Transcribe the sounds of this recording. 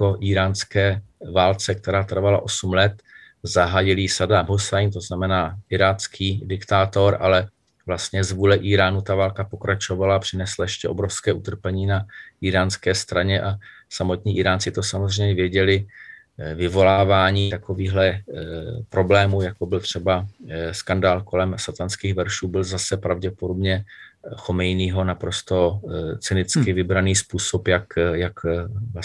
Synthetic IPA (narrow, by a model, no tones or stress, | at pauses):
koʔiːɾaːnskɛːvaːlt͡sɛk̚t̪ɛɾaːt̪r̩vala̰ʔo̞sumlɛt̪ | zaɦaːjɪlsadabosajnt̪o̞znamɛnaːʔɪɾaːt͡skʰiːdɪkt̪aːt̪o̞ɾʔa̰lɛ | vlast̪ɲɛzvuːlɛʔiːɾaːnut̪avaːlkapo̞kɾat͡ʃo̞valapr̝̥ɪnɛslajɛʃcɛʔo̞bɾofskɛːʔut̪r̩pɛɲiːnaʔiːɾaːnskɛːst̪ɾaɲɛʔa | samo̞t̪ɲiːʔiɾaːnt͡sɪt̪o̞samozr̝ɛɲɛvjɛɟɛlɪ | vɪvo̞laːvaːɲiːt̪ako̞viːɦlɛ | pɾo̞blɛːmujakobɪlt̪r̝̥ɛbaskandaːlko̞lɛmsat̪anskiːɣvɛɾʃuːbɪlzasɛpɾavɟɛpodo̞bɲɛxo̞mɛjniːɦo̞napɾo̞st̪o̞t͡sɪnɪt͡skɪvɪbɾaniːspuːso̞pjakjaka